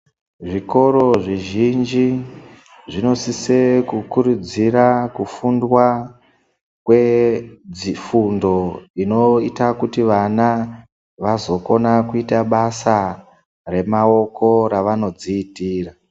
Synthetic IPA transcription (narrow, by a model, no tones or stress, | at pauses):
ʐiko̞ɾo̞ʐiʒind͡ʒi | ʐino̞sisekukuɾud͡ziɾakufundwa | kwe̞d͡zifundo̞ino̞itakutiʋana | ʋazo̞ko̞nakuitaɓasa | re̞mao̞ko̞ɾaʋano̞d͡ziːtiːra